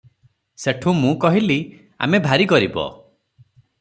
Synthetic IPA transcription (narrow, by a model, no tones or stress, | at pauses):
seʈʰũmũkɔɦili | a̰mebʱaɾikɔɾibɔ̰